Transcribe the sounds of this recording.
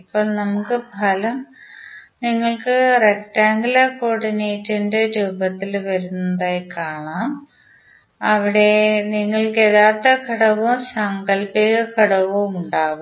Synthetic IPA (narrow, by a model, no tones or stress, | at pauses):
ipːo̞ːɭnɐmukːɨbʱɐlɐm | niŋːɐɭkɨrek̚ʈaːŋɡilɐkoːɽinejtːindeɾuːbɐt̪ːilʋɐɾunːɐðaːjkaːɳaːm | ɐʋiɽe̞niŋːɐɭke̞ðaːrt̪ːekɐɽɐʋumsɐŋɡɐlpiɣɐkɐɽɐʋumuɳɖaːʋu